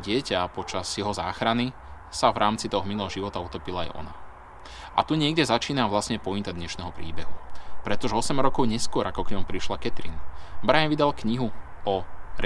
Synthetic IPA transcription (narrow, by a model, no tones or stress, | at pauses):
ɟɪɛcapɔt͡ʃaz̥jɛɦɔza̰ːxɾani | savɾʔaːmt͡sit̪ɔɦɔmilˠɔɦɔʒiʋɔt̪aut̪ɔpilaa̰jʔɔ̰na | ʔa̰t̪uɲɪɛɡɟɛzat͡ʃiːnaʋlasɲɛpɔit̪ad̪ɲɛʃnɛɦɔpɾḭːbɛɦupɾɛt̪ɔʒɛɔsɛmɾɔkɔʊɲɛskʊɔɾʔakɔkɲɔmpɾiʃlakɛt̪ɾḭnbɾajanʋid̪alkɲiɦu | ɔɾ